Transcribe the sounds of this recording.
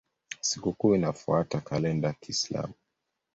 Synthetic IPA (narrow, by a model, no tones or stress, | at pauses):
sikukuinafuatakalɛndakisla̰mu